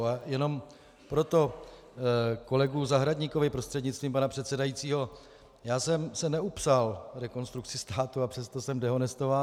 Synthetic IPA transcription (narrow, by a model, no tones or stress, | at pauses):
ajɛno̞m | pɾo̞t̪o̞ | ko̞lɛɡuzaɦɾadɲiːkovɪpɾo̞st̪r̥ɛdɲɪtt͡st̪viːmpanapr̝̥ɛt̪sɛdajiːt͡siːɦo̞ | jaːsɛmsɛnɛupsalɾɛko̞nst̪ɾuk̚t͡sɪst̪aːt̪uapr̥ɛst̪o̞sɛmdɛɦo̞nɛst̪ovaː